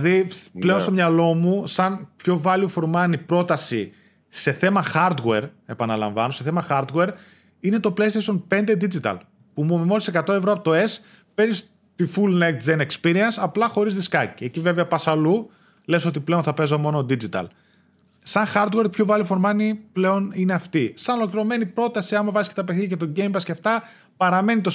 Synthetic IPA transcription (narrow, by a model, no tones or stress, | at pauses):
ðile̞o̞nst̪o̞mɲɐlo̞musɐnpço̞vɐliofoɾmɐnipɾo̞t̪ɐsi | se̞θe̞mɐxɐɾd̪ɣe̞ɾe̞pɐnɐlɐ̰̃ɱvɐno̞seθe̞mɐxɐɾd̪ɣeɾ | ine̞t̪o̞ple̞jst̪ejsʃo̞npend̪e̞d̪id͡zit̪ɐ̰l | pumuomimo̞sise̞kɐt̪o̞e̞vɾo̞ɐpot̪oe̞s | penis | t̪ifulnekt̪d͡zenekspiɾiɐnsɐplɐxo̞ɾizðiskɐcie̞cive̞veɐpɐsɐlu | le̞so̞t̪iple̞onθɐpe̞zomo̞no̞d̪id͡zit̪ɐ̰l | sɐnxɐɾd̪ɣwe̞ɾpçovɐlifo̞ɾmɐniple̞o̞nine̞ɐft̪isɐnolokliɾo̞me̞nipɾo̞t̪ɐsiɐnmevɐsi̥ket̪ɐpeθiʝɐcet̪o̞ɟe̞jmpɐsceft̪ɐ | pɐɾɐme̞nit̪o̞